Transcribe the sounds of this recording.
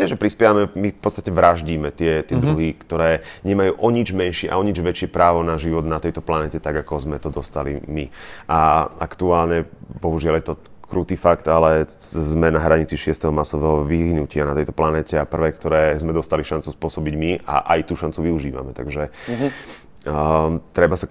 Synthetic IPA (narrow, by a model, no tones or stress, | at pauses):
jɛʒɛpɾispjɛʋamɛmifpɔt̪t͡st̪acɛʋɾaʒɟiːmɛt̪ɪɛt̪ɪɛd̪ɾuɦikt̪ɔɾɛːɲɛmajuːʔɔɲid͡ʒmɛnʃɪɛʔa̰ɔɲid͡ʒʋɛt͡ʃɪɛpɾaːʋɔnaʒiʋɔd̪nat̪ɛjt̪ɔplanɛːcɛt̪aɡakɔzmɛt̪ɔd̪ɔst̪alḭmiʔaa̰kt̪uaːlɲɛbɔɦuʒɪaljɛt̪ɔ | kɾuːt̪iːfakt̪alɛzmɛnaɦɾaɲit͡siʃɪɛst̪ɛɦɔmasɔʋɛːɦɔʋiɦinucɪanat̪ɛjt̪ɔplanɛːcɛapr̩ʋɛːkt̪ɔɾɛːzmɛd̪ɔst̪aliʃant͡suspʊɔsɔbiɟmia̰ʔa̰jt̪uːʃant͡suʋiuʒiːʋa̰mɛt̪aɡʒɛ | t̪ɾɛbasa